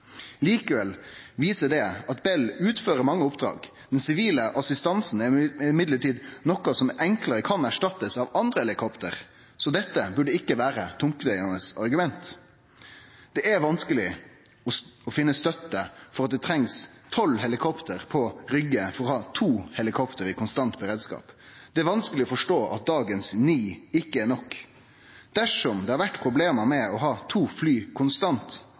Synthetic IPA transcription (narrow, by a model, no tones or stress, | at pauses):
liːkəʋɛlʋiːsəd̪ɛɑt̪bɛlʉːt̪føːɾəɾmɑŋːəʊpd̪ɾɑ̰ːɡ | d̪ɛnsɪʋiːləʔɑsɪst̪ɑnsn̩ɪɪmɪd̪ləʈiːd̪nɔkɑsɔmɛŋkləɾəkʰɑnæʂʈɑt̪ːəsɑʋɑnd̪ʁəhɛlɪkʰɔpt̪əʁ | sɔd̪ɛt̪ːəbʉɖəɪkːəʋæːɾət̪ʰʊŋkəd̪æɪɑnəsɑɾɡʉmɛnt̪ | d̪̥ɛʔæɾʋɑnskəlɪ | ɔɔfɪnːəst̪œt̪ːəfɔɾɑt̪̚d̪ɛt̪ʰɾɛŋst̪ʰɔlːɦɛlɪkʰɔpt̪ʰəʁpʰɔɾʏɡəfɔɾʁɔhɑːt̪ʰuːhɛlɪkʰɔpt̪əɾɪkʊnst̪ɑnt̪̚bəɾeːd̪skɑ̰ːpd̪ɛæɾʋɑnskəlɪɔfɔʂʈoːʔɑ̰t̪̚d̪ɑːɡənsniːɪkːəɛnɔkː | d̪̥æʂɔmd̪ɛhɑɾʋæʈːpʰɾʊbleːməmɛɔɦɑːt̪ʰuːflyːkʰʊnst̪ɑnt̪